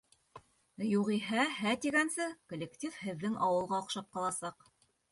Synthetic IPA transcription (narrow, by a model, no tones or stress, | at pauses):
juʁiɦæɦæt̪iɡænsɘkŏlʲektʲifhɘ̆ðːɘŋɑwɤ̆lˠʁɑŏqʃɑp̚qɑlˠɑsɑq